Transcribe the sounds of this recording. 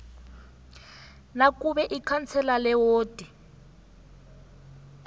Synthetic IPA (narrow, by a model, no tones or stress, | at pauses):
nakʼuβɛʔikʰant͡sʰɛlalɛwoːd̥ʱi